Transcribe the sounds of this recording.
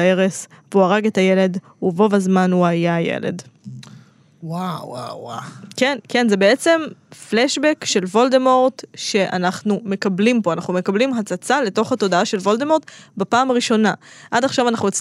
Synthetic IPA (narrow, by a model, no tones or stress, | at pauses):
eʁesveuaʁaɡetaje̞le̞d | uvo̞vazmanuajajḛlḛd | waa̰akenke̞nze̞be̞e̞t͡se̞mfleʃbekʃe̞lvo̞ld̪emo̞ʁtʃe̞ʔa̰naχnume̞kablimpoanaχnume̞kablimɦat͡sat͡sale̞to̞χhato̞daaʃe̞lvo̞ldemo̞ʁt̪bapaːmaʁiʃo̞naʔadaχʃavanaχnujot͡s